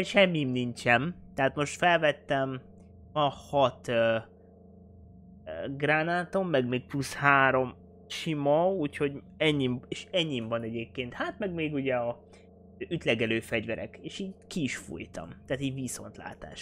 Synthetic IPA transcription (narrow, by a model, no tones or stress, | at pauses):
ʃɛmːimniɲt͡ʃɛmt̪ɛɦaːt̪mo̞ʃt̪fɛlvɛt̪ːɛm | ɒhɒt̪ø | ɡraːnaːt̪o̞mːɛɡmeːk̚plushaːɾo̞m | ʃimɒuːcho̞ɟɛɲːimeʃɛɲːimvɒnɛɟeːp̚keːnt̪hat̪mɛɡmeːɡuɟɛɒ | yt̪lɛɡɛløːfɛɟvɛɾɛ̰keːʃiːɟkiːʃfṵjt̪ɒ̰mt̪aːt̪iːɟviso̞̰nt̪la̰ːt̪a̰ːʃ